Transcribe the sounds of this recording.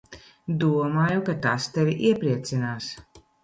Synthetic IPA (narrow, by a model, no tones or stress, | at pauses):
d̪uɔmaːjukat̪ast̪evʲiʔiɛpɾiɛt̪sinaːs